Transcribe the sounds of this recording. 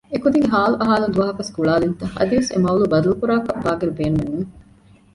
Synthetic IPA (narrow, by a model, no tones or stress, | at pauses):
ekud̪iŋɡeɦaːluʔɐɦaːlund̪uʋɐɦɐkɐskuɭaːlint̪ɐhɐ̰d̪iʋesḛmɐulubɐd̪ɐlukuɾaːkɐbaːɡɐɾubeːnumenːuːŋ